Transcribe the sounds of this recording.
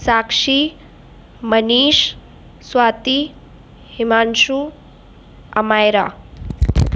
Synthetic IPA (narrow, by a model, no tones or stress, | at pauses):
saːkʂi | mɐniːʃ | swaːt̪i | himaːnʃu | ɐmaːjɾa̰ː